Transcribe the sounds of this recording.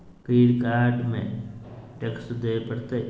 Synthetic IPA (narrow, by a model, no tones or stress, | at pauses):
piːɾkaːɾɖmḛ̃ʈeksd̪epəɽt̪e